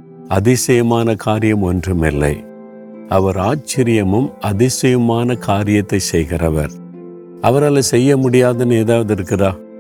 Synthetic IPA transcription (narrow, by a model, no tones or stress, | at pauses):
ɐðɪsɐjɐmaːnɐkʰaːɾɪjɐmɔndrɯmɪlːɐ̰ɪ | ɐʋɐɾaːt͡ʃːɪɾɪjɐmɯmɐðɪsɐjɐmaːnɐkʰaːɾɪjɐt̪ːɐɪsɛjɣɪrɐʋɐ̰ɾ | ɐʋɐɾaːlɐsɛjːɐmʊɽɪjaːðɐneːðaːʋɐðɪɾɯkːɪraː